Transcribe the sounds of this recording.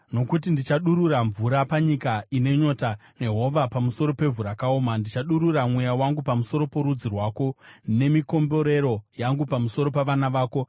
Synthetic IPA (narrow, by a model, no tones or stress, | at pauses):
no̞kutindit͡ʃaɗuɾuɾaɱvuɾapaɲikaine̞ɲo̞tane̞ɦo̞ʋapamuso̞ɾo̞pe̞vʱuɾakaoːmandit͡ʃaɗuɾuramwejawaŋɡupamuso̞ɾo̞poɾud͡zirwaːko̞ne̞miko̞mbo̞ɾe̞ɾo̞jaŋɡupamuso̞ɾopaʋanaʋaːko̞